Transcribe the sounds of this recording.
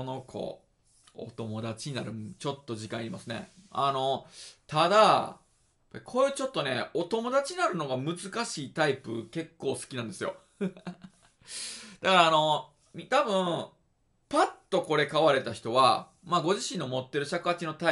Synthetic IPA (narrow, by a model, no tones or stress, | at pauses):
ono̞kʰo̞̰ | o̰t̪o̞mo̞d̪at͡ɕiɲ̟inaɾɯ̟t͡ɕo̞t̪ːo̞ʑikãɰ̃iɾʲimasɨne̞̰a̰no̞t̪ad̪a | jpːaikʰo̞ːjɯ̟ːt͡ɕo̞t̪ːo̞ne̞o̞t̪o̞mo̞d̪at͡ɕiɲinaɾɯ̟no̞ɡamɯ̟zɨkaɕiːt̪aipɯ̟̰ke̞kːo̞ːsɨ̥kʲinãnd̪e̞sɨjo̞̰ | d̪̥akaɾaːno̞ | it̪abɯ̟̃ | pat̪ːo̞ko̞ɾe̞kaβaɾe̞t̪açi̥t̪o̞βa | maːɡo̞ʑiɕĩnːo̞mo̞t̪ːe̞ɾɯ̟ɕakɯat͡ɕino̞t̪a